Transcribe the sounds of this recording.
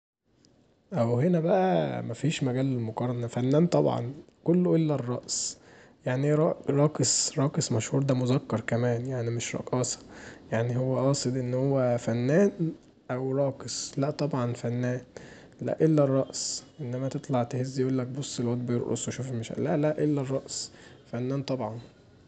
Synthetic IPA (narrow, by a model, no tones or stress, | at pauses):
ʔæwhenæbæʔæ̰mæfiːʃmæɡæːlːelmoqɑɾˤɑnɑfænːæːnt̪ˤɑbʕɑ̰n | kolːoʔelːærˤːɑ̰ʔsjaʕniɾˤɑɾˤɑːkesɾˤɑːkesˤmæʃhuːɾd̪æmozækːɑɾˤkæmæːnjaʕnimeʃɾˤɑ̰ʔʔɑːsɑ̥jaʕnihowːæʔɑːsˤed̪ʔenːhowːæfænːæːn | ʔæwɾˤɑːkeslæʔt̪ˤɑbʕɑnfænːæːn | læ̰ʔelːærˤːɑʔsʔenːæmæt̪et̪ˤlɑʕt̪ehezːjʔuːlːæk̚bosˤːelwæt̪bejoɾʔo̰sweʃuːfemæʃæ̰læʔlæʔelːærˤːɑʔsfænːæːnt̪ˤɑbʕɑn